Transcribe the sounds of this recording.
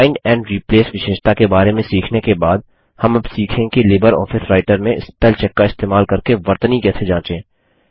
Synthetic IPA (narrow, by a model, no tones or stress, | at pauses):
aːɪɳɖɛ̃ːɳɖɾiːpleːsʋɪʃeːʃt̪akebaːɾemẽsiːkʰnekebaːd̪̚ | hɐmɐbsiːkʰẽkileːbəɾɔ̰ːfɪsɾaːɪʈəɾmẽɪ̰st̪ɛlt͡ʃɛkːaɪst̪eːmaːlkɐɾkeʋɐɾt̪ənikɛːsʰed͡ʒãːt͡ʃẽː